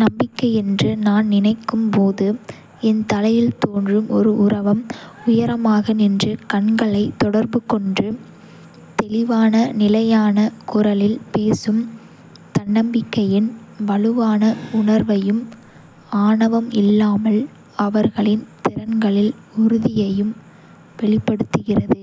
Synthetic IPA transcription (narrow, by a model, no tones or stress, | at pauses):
nɐmbɪkːɐɪɛndrɯnaːnnɪnɐɪkːɯmpoːðɯ | ɛnt̪ɐlɐjɪlt̪oːndrɯmʔɔɾɯʔʊɾɐʋɐmʊjɐɾɐmaːɣɐnɪndrɯkɐɳɡɐɭɐɪt̪ːɔɽɐɾbɯkɔɳdrɯ | t̪ɛlɪʋaːnɐnɪlɐjaːnɐkʊrɐlɪlpeːsɯm | t̪ɐɳːɐmbɪkːɐjɪn | ʋɐɭɯʋaːnɐʊɳɐɾʋɐjɯm | aːɳɐʋɐmɪlːaːmɐl | ɐʋɐɾɣɐɭɪnt̪ɪɾɐnɡɐɭɪl | ʊɾʊðɪjɐjɯm | ʋɛɭɪpːɐɽɯt̪ːɯɣɪrɐðɯ